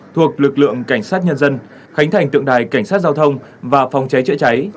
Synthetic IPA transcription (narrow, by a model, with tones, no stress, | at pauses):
t̪ʰu˨˩ək̚lɨ˨˩k̚lɨ̰˧˨əŋka˧˩jŋ̟saː˦˥t̚ɲə˧nzə˧n | xa˨˦ŋ̟t̪ʰa˨˩ŋt̪ɨ̰˧˨əŋɗaː˨˩jka˧˩jŋsaː˦˥t̚zaː˧wt̪ʰə˧wŋ͡m | vaː˨˩fa˨˩wŋ͡mt͡ɕa˨˦jt͡ɕɨ̰˧˥t͡ɕa˨˦j